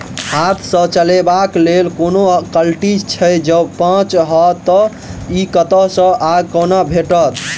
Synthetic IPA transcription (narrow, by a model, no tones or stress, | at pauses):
hat̪ʰsə̃t͡ʃəlebaklelkonokəlʈid͡ʒt͡ʃʰəjd͡ʒəbpãt͡ʃɦɔt̪ɔ | ikət̪əsə̃ʔaɡ̚kənabʱeʈət̪ʰ